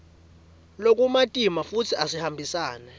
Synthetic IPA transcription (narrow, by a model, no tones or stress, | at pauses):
lok̬ʼumatʼimafut͡sʰiasihambʱisaːnɛ